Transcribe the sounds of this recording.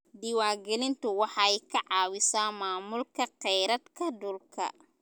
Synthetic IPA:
d̪ɪwaːɡɛlɪnt̪ʰʊwɑħɑɛjkʰɐʕɑːwɪsaːmaːmʊlkʰɐqɛjɾɐd̪kʰɐd̪ʊlkʰɐ̰

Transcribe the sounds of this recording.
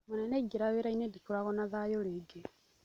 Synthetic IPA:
monaneɡeɾaβeɾainedikolaɣonaðajoleɡe

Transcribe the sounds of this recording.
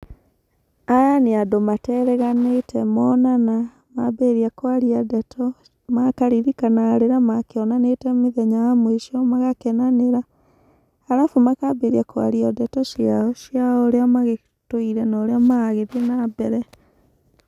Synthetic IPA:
ajaneadomatɛɾɛɣanetʰɛmɔnana | mabeɾiakwaɾiadɛtʰɔ | makaɾiɾikanaɾeɾamakeɔnanetɛmeðɛɲaamweʃiɔmaɣakɛnaneɾa | aɾafomakabeɾiakwa̰ɾiɔdɛtɔʃjaɔʃiaoɾeamaɣe | toiɾɛnaoɾeamaɣeðenabɛɾɛ

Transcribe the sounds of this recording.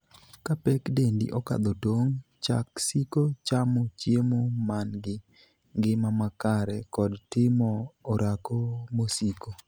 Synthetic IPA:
kapɛkdendḭʔɔka̰d̪otoŋ | t͡ʃa̰ksikot͡ʃamɔt͡ʃjemomanɡɪ | ŋɡɪmamakaɾɛkɔdtɪmɔːɾʔakomosiko

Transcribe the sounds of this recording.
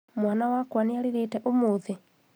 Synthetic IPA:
mwanawakwaneaɾeɾetɛʔomoːðe

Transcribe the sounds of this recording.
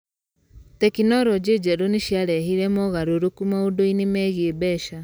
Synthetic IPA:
tɛkinɔɾɔd͡ʒed͡ʒɛɾoniʃiaɾɛɦiɾɛmɔɣaɾoɾokumaodoinemɛɣiebɛʃa

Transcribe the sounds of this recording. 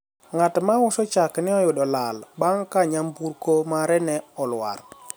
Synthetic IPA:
ŋatmawɔsɔt͡ʃakniɔjuɗɔlalɓaŋkaɲambuɾkomaɾɛnɛɔlwa̰ɾ

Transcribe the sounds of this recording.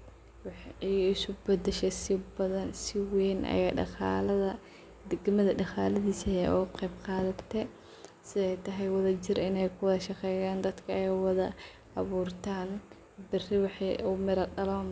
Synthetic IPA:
wɑħɛjɪsʊbɐd̪ɛʃɛsɪbɐðɐnsɪwɛːnʔɐ̰jaːɖɑ̰qɑ̰ːlɐðɐ | d̪ɪɡmɐðɐɖɑqɑːlɐðiːsɐɛʊ̰ʊqɛjb̚qɑːðɐt̪ʰɛ | sɪðɛjt̪ʰɐɦɛjwɑðɐt͡ʃɪrɪnɛjkʰʊwðɐʃɑqɛːjaːnd̪ɐd̪kʰɐɛjwɑðɐ̰ | ɑβuːrt̪ʰaːn | bɪrɪwɑħɑjʊmɪɾɐɖɐlɔːn

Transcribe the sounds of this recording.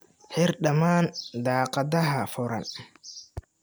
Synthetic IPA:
ħɪɾɗɐmaːnd̪aːqɑd̪ɐɦɐfʊɾɐ̰n

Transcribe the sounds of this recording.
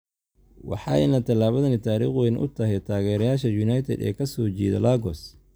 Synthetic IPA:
wɑ̰ħɑj̰nɐt̪ʰɐlaːβɐðɐnɪt̪ʰaːɾḭːχwɛnʔʊ̰t̪ʰɐɦɛjt̪ʰaːɣɛːɾɐjaːʃɐjʊnɐjt̪ʰɛ̰d̪ɛ̰ːkʰɐsɔːt͡ʃiːðɐ̰laːɡɔs

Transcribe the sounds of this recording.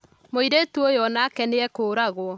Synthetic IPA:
moiɾetuojɔnakɛneɛkoːɾaɣwɔ

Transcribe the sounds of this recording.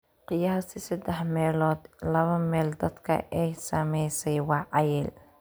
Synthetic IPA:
qɪjaːɦɐsɪsɐd̪ɛħmɛːlɔːd̪lɐβɐmɛːld̪ɐd̪kʰɐ̰ʔɛjsɐmɛjsɛjwɑːʕɑjɛːl

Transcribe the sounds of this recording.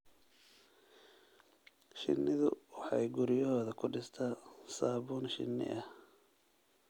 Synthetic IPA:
ʃɪ̰nːɪðʊwɑħɑjɡʊɾɪjɔhɔːðɐkʰʊɖɪst̪ʰaːsaːβuːnʃɪ̰nːɪ̰ʔɐh

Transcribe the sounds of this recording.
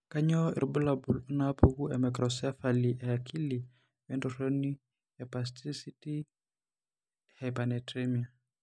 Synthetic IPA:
kaɲɔḭrbulabulunapuɣuɛmɛkɾɔsɛfaliʔɛakʰili | wɛndɔɾɔni | ɛpastʰisiti | hɛpanɛtɾɛmia

